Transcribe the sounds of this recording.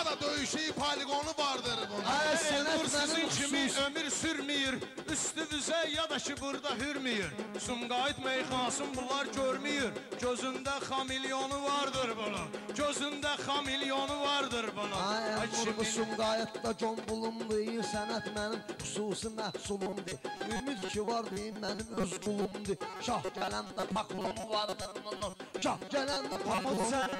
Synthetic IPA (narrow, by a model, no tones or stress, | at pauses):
d̪ɑd̪øjyʃijpʰɑliɡo̞nuvɑɾd̪ɯɾbunsænuɾsizint͡ʃʰimiømiɾsyɾmijiɾ | yst̪yvyzæjjɑd̪ɑcʰibuɾd̪ɑɦyɾmijiɾsumɡɑːjit̪mejχɑnsɯnbulˠɑɾɟøɾmyjiɾɟøzynd̪æχɑmilijo̞nuvɑɾd̪ɯɾbonɑɟøzynd̪æχɑmiljonuvɑɾd̪ɯɾbɑnɑaæbusumɡɑjit̪d̪ɑd͡ʒonbulˠumd̪ɯsænæt̪mænimχusuːsimæhsulˠumd̪ɨymyd̪t͡ʃʰivɑɾd̪ijinmænimøzɡulˠumd̪ɨʃɑhɟælænd̪æpʰɑklˠomuvɑɾd̪aɑnʃɑhɟælænd̪æpʰɑklˠo